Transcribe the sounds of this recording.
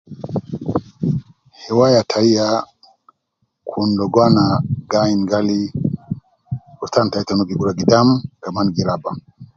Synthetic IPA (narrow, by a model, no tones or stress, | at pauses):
hiwajatʰaija | kʰundɔɡwanaɡainɡali | uɾtantaitanubiɡuɾaɡidamkamanɡiɾaba